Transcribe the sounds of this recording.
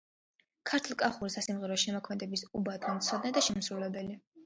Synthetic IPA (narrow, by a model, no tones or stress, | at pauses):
kʰaɾt̪ʰlˠkʼaχuɾisasimʁɛɾɔʃɛmɔkʰmɛd̪ɛbisubad̪ɡɛnt̪sʰɔd̪nad̪aʃɛmsɾulɛbɛli